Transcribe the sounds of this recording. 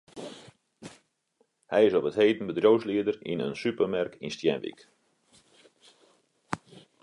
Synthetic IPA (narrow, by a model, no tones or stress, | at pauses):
hɛjɪsɔpətheːdən̩bədrjowsliədərinə̰nsypərmɛrkʰinstjɛ̰nʋḭk